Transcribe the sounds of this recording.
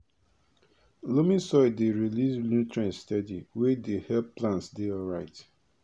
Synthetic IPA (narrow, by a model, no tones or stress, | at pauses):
lomĩsɔɪdeɹilislũtɹɛ̃nstɛdiwɛdehɛlplãntsdeɔlɹaɪt